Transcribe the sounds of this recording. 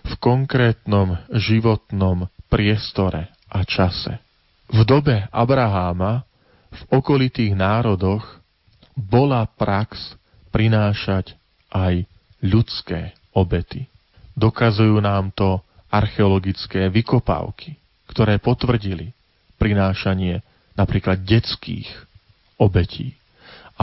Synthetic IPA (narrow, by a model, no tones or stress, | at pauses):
fkɔŋkɾɛːt̪nɔmʒiʋɔt̪nɔmpɾɪɛst̪ɔɾɛ | ʔat͡ʃasɛ̰ | vd̪ɔbɛa̰bɾaɦaːma | vɔkɔlit̪iːɣnaːɾɔd̪ɔɣ | bɔlapɾaks | pɾinaːʃac | ʔaj | ʎut͡skɛː | ɔbɛt̪i | d̪ɔkazujuːnaːmt̪ɔ | aɾxɛɔlɔɡit͡skɛːʋikɔpa̰ːʊkʰi | kt̪ɔɾɛːpɔt̪ʋr̩ɟili | pɾinaːʃaɲɪɛ | napɾiːklad̪̚ɟɛt͡skḭːx | ɔbɛcʰḭː | a